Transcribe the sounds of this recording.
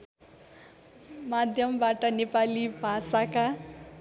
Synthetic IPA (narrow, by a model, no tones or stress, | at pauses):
mad̪ʱjʌmbaʈʌnepalibʱasaka